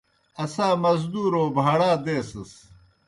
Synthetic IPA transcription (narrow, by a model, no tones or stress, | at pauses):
ɐsaːmɐzd̪uːɾoːbʱɐɽaːd̪eːsɐs